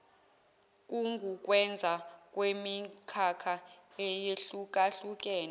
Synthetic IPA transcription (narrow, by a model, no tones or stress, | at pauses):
k̬ʼuŋɡʱuk̬ʼwɛnd͡zʱak̬ʼwemikʰakʰaɛjeɬuk̬ʼaɬuk̬ʼɛːna